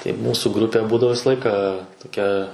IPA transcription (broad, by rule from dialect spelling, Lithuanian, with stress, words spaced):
tɐɪ ˈmuːsʊ ˈɡrʊpʲeː ˈbuːdɐʋoː ˈʋʲɪsɐ ˈlˠɐɪkɑː toːˈkʲɛ